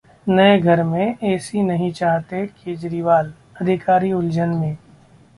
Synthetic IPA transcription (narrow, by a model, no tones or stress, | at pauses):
nɐeɡʱɐɾmẽɛːsinɐɦĩt͡ʃaːɦt̪ekeːd͡ʒɾiʋaːl | ɐd̪ʱɪkaːɾiʊld͡ʒənmẽː